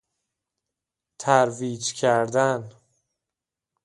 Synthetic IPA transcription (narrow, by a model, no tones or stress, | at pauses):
t̪ʰæɾviːd͡ʒcʰæɾd̪æn